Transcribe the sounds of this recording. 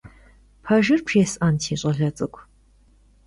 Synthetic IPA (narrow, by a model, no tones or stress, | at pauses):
pʰɐʒɨrpʰjɛsaːntʰiːɕʼɐɮɐt͡sʼɨkʷʰ